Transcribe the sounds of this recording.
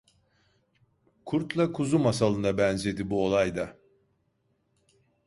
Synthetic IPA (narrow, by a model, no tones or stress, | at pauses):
kʰuɾt̪lˠakʰuzumasalˠɯnd̪abɛnze̞d̪ibuo̞lˠajd̪a